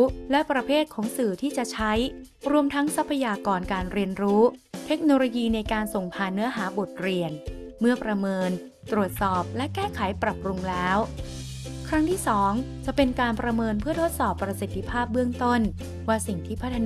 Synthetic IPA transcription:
lɛ˦˥pɾa˧pʰeː˥˩t̪̚kʰɔː˩˦ŋsɯː˨˩t̪ʰiː˥˩t͡ɕa˨˩t͡ɕʰa˦˥jɾu˧əmt̪ʰa˦˥ŋsa˦˥pʰːa˧jaː˧kɔː˧nkaː˧nɾi˧ənɾuː˦˥t̪ʰe˦˥k̚noː˧loː˧jiː˧na˧jkaː˧nso˨˩ŋpʰaː˨˩nːɯ˦˥ɐɦaː˩˦bo˨˩t̪̚ɾi˧ənmɯ˥˩ɐpɾa˧mɤː˧n | t̪ɾu˨˩ət̪̚sɔː˨˩p̚lɛ˦˥kɛː˥˩kʰa˩˦jpɾa˨˩pːɾu˧ŋlɛː˦˥w | kʰɾa˦˥ŋt̪ʰiː˥˩sɔː˩˦ŋt͡ɕa˨˩pe˧nkaː˧npɾa˧mɤː˧npʰɯ˥˩ɐt̪ʰo˦˥t̪̚sɔː˨˩pːɾa˧si˨˩t̪ʰːi˧pʰaː˥˩p̚bɯ˥˩əŋt̪o˥˩n | waː˥˩si˨˩ŋt̪ʰiː˥˩pʰa˦˥t̪ʰː

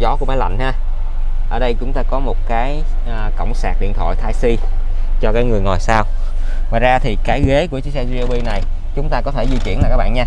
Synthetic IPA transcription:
zɔ˨˦ku˧˩maː˨˦jla̰˧˨jŋ̟haː˧ | ʔəː˧˩ɗə˧jt͡ɕʊ˨˦ŋ͡mt̪aː˧kɔ˨˦mo˨˩t̚kaː˨˦j | kə̰˧˨wŋ͡msaː˨˩t̚ɗḭ˧˨ənt̪ʰo̰˧˨jt̪ʰaː˧jsi˧ | t͡ɕɔ˧kaː˨˦jŋɨ˨˩əjŋɔ˨˩jsaː˧w | vaː˨˩zaː˧t̪ʰi˨˩kaː˨˦jɣe˨˦ku˧˩ət͡ɕi˨˦sɛ˧zi˧ʔo˧ɓi˧na˨˩j | t͡ɕʊ˨˦ŋ͡mt̪aː˧kɔ˨˦t̪ʰe˧˩zi˧ki˧˨ənlaː˨kaː˦˥k̚ɓ̰ːnɲaː˧

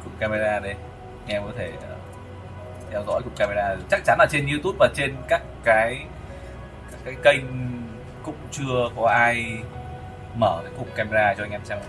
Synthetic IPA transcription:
kʊ̰˨˩ŋ͡m̚ka˧ma˧zaː˧ɗə˧˩ | ʔʔŋ̟ʔɛ˧mkɔ˨˦t̪ʰe˧˩əː˨˩ | t̪ʰɛ˧wzɔ̰˧˥jkʊ˨˩ŋ͡m̚ka˧me˧zaː˧˨˩t͡ɕa˦˥k̚t͡ɕa˨˦nlaː˨˩t͡ɕe˧nɲi˧wt̪u˦˥p̚vaː˨˩t͡ɕe˧nkaː˦˥kːaː˨˦j | kaː˦˥kːaː˨˦jkə˧jŋ̟ | kʊ̰˧˥ŋ͡mt͡ɕɨ˧əkɔ˨˦ʔaː˧j | məː˧˩kaː˨˦kʊ̰˨˩ŋ͡m̚kaː˧me˧zaː˧t͡ɕɔ˧ʔjŋʔɛ˧mt͡ɕa˧w

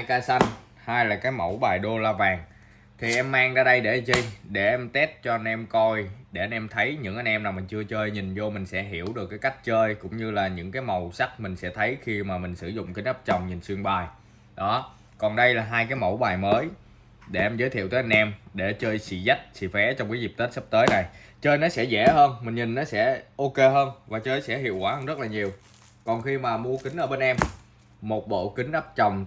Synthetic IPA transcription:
a˧jkaː˧sa˧jŋ | haː˧jlaː˨˩kaː˨˦jmə̰˧˩wɓaː˨˩jɗo˧laː˧vaː˨˩ŋ | t̪ʰi˨˩ʔɛ˧mːaː˧ŋzaː˧ɗə˧jɗe˧˩˧t͡ɕi˧jɗe˧˩ʔɛ˧mt̪e˦˥t̚t͡ɕɔ˧ʔa˧nʔɛ˧mkɔ˧jɗe˧˩ʔa˧nʔɛ˧mt̪ʰə˨˦jɲɨ̰˧˥ŋʔa˧nʔɛ˧mnaː˨˩mï̟˨˩t͡ɕɨ˧ət͡ɕəː˧jɲï˨˩ŋ̟zo˧mï˨˩ŋ̟sɛ̰˧˥ɦi˧˩˨əwɗɨ˨˩əkːaː˨˦jka˦˥jk̟̚t͡ɕəː˧jkʊ̰˧˥ŋ͡mɲɨ˧laː˨˩ɲɨ̰˧˥ŋkaː˨˦jmə˨˩wsa˦˥k̚mï˨˩ŋ̟sɛ̰˧˥t̪ʰə˨˦jxi˧maː˨˩mï˨˩ŋ̟sɨ˧˩zʊ̰˧˨ŋ͡mkï˨˦ŋ̟ʔəː˦˥p̚t͡ɕə˨˩wŋ͡mɲi˨˩n̟swi˧əŋɓaː˨˩j | ɗɔ˨˦ | kɔ˨˩nɗə˧jlaː˨˩ɦaː˧jkaː˨˦jmo˧˩wɓaː˨˩jməː˨˦j | ɗe˧˩ʔɛ˧mzəː˨˦jt̪ʰḭ˧˨ət̪əː˨˦ʔɛ˧nʔɛ˧mɗe˧˩t͡ɕəː˧jsḭ˧˨za˦˥k̚sḭ˧˩fɛ˨˦t͡ɕɔ˧wŋ͡mkaː˨˦jzi˨˩p̚t̪e˦˥t̚sə˦˥p̚t̪əː˨˦jna˨˩jt͡ɕəː˧jnɔ˨˦sɛ̰˧˥zɛ̰˧˩ɦəː˧nmï˨˩ŋ̟ɲï˨˩ŋ̟nɔ˨˦sɛ̰˧˥ʔo˧ke˧ɦəː˧nvaː˨˩t͡ɕəː˧jsɛ̰˧˥ɦḭ˧˨əwkwaː˧˩˦hə˧nzə˦˥t̚laː˨˩ɲi˨˩əw | kɔ˨˩nxi˧maː˨˩mu˧əkï˨˦ŋ̟ʔəː˧˩ɓe˧nʔɛ˧m | mo˨˩t̚ɓo̰˧˨kï˨˦ŋ̟ʔaː˦˥p̚t͡ɕə˨˩wŋ͡m

